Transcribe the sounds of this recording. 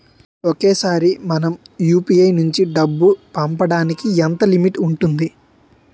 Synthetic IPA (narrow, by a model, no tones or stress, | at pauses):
oke̞ːsaːɾimɐnɐmjuːpijɐjnuɲt͡ʃiɖɐbːupɐmpɐɽaːnikiɛnt̪ɐlimiʈuɳʈund̪i